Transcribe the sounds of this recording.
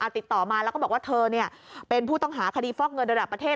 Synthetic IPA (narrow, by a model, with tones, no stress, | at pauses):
ʔa˨˩t̪i˨˩t̪ːɔː˨˩maː˧lɛː˦˥wkɔː˥˩bɔː˨˩k̚wːt̪ʰɤː˧ni˥˩ɐpe˧npʰuː˥˩t̪ɔ˥˩ŋɦaː˩˦kʰa˧diː˧fɔː˥˩k̚ŋɤ˧nɾa˧da˨˩pːɾa˧t̪ʰeː˥˩